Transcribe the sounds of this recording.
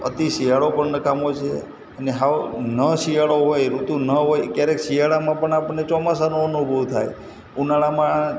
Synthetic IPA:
ə̰t̪iʃijaɭopəɳnəkamot͡ʃʰe | əneɦaʋnəʃijaɭoɦojɾut̪ũnəɦojkjaɾekʃiɦaɭamãpəɳapəɳːet͡ʃɔmasanoənubʱəʋt̪ʰa̰j | unaɭamã

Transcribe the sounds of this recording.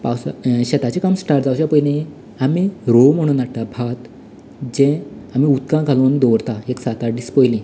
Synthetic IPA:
pawsaɕet̪at͡ɕikamsʈaɾd͡zawt͡ɕjapəjlĩ | amiɾom̤əɽ̃uːnakʈ̪abʱat̪ | d͡ʑɛ̃amiut̪kãkʰalond̪ɔɾt̪aeksat̪aɖispɔjlĩ

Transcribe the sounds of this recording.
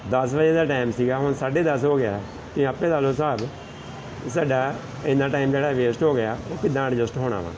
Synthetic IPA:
d̪əsʋəd͡ʒeːd̪aːʈaːɪmsiːɡaːɦʊɳsaːɖeːd̪əsɦoːɡɪaː | k̪ĩːəpẽːd̪aːloːsaːb | saːɖaː | ɪ̃nd̪aːʈaːiːmd͡ʒeːɽaːʋeːsʈɦoːɡɪjaːoːkɪd̪ːãːɽd͡ʒəsʈɦoːɽ̃a̰ːʋã̰ː

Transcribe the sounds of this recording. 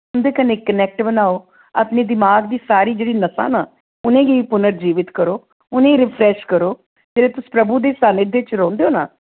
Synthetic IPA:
ʊnd̪eːkəneːkənɛːk̚ʈbənaːoː | əpneːd̪ɪmaːɡd̪iːsaːɾiːd͡ʒeːɽiːnəsã̰ːnaː | ʊnẽːɡiiːpʊnəɾd͡ʒiːʋɪt̪kəɾoː | ʊnẽːiɾɪpʰɾɛːʃkəɾoː | d͡ʒeːɽeːt̪ʊsi̥ːpɾəbuːd̪eːsaːneːd̪eːt͡ʃɾɔ̃ːnd̪eoːna̰ː

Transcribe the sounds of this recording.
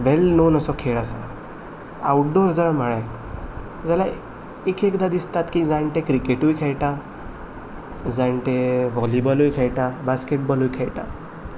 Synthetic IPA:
ʋelnonəsɔkʰeɭasa | awʈ̚ɖɔɾd͡zəlamaɭaj | d͡zala | ekekd̪ad̪ist̪at̪kĩd͡zaɳʈẽkɾikeʈujkʰejʈa | d͡zaɳʈeʋɔlibɔlujkʰejʈabaskeʈ̚bɔlujkʰejʈa

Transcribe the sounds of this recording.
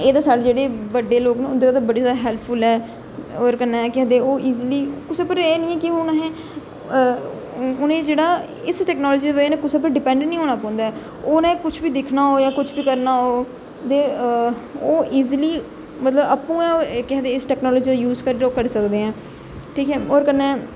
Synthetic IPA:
eːd̪aːsaːɽeːd͡ʒeːɽeːʋəɖːeːloːknẽʊd̪eːt̪abəɽeːaːd̪aɦɛːlpʰpʰʊlɛː | oːɾkənːãːkɛ̃ːnd̪eoːʔiːzliːkʊsepəɾɛːnĩːɛ̃ːkɪɦʊnɦɛ̃ː | ʊnẽːd͡ʒeːɽaː | ɪsʈɛːknɔːlɔːd͡ʒiːd̪eːbəd͡ʒːnẽːkʊseːp̬əɾɖɪpɛ̃ːɳɖəɳnĩːoːnaːpãːnd̪aːɛː | oːnẽːkʊt͡ʃʰbiːd̪ɪkʰnaːɦoːjaːkʊt͡ʃʰbiːkəɾnaːɦoː | t̪eː | oːʔiːzliː | mət̪ləbəpːũːɛ̃ːkɛːd̪eːɪsʈɛːknɔːlɔːd͡ʒiːd̪ajuːzkəɾːɾoːkəɾsəkd̪eːɛ̃ː | ʈʰiːkɦɛːoːɾkənːɛ̃ː

